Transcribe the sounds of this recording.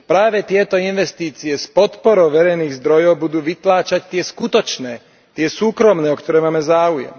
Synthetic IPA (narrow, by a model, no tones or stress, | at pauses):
pɾaːʋɛt̪ɪɛt̪ɔinʋɛst̪iːt͡siɛspɔt̪pɔɾɔʊʋɛɾɛjniːɣzd̪ɾɔjɔʊbud̪uːʋit̪laːt͡ʃact̪ɪɛskut̪ɔt͡ʃnɛː | t̪ɪɛsuːkɾɔmnɛːɔkt̪ɔɾɛːmaːmɛzaːujɛ̰m